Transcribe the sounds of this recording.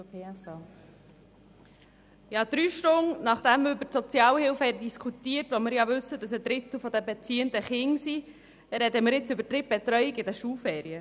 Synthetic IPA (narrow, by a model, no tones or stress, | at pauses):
pes | jɑd̥̪ɾyːʃtʊŋnɑχd̥ɛmːəɾʏbətsɔt͡sjɑːlhɪlfhɛɾəd̥iskʰutiːəɾtʋomɪɾjɑʋʏsːəd̥ɑsəd̪ɾɪtl̩fɔd̪əbɛt͡siːəndəχɪŋsi | ɾɛd̪əmɪɾɪt͡sʏbətɾɪp̚bɛtɾœʏɪkɪdɛʃulfɛːɾiə